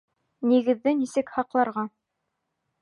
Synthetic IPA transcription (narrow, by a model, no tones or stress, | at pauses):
niɡɘ̆ðːɘnisɘkhɑqlˠɑɾʁɑ